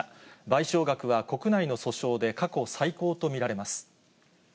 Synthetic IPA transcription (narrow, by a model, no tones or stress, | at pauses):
baiɕo̞ːɡakɯ̟βako̞kɯ̟naino̞so̞ɕo̞ːd̪e̞kako̞saiko̞ːt̪o̞mʲiɾaɾe̞masɨ̥